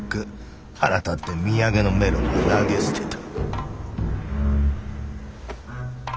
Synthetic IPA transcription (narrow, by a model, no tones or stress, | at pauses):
kɯ | aɾat̪at̪ːe̞mʲiaɡe̞no̞me̞ɾomonaɡe̞sɨ̥t̪et̪ḁ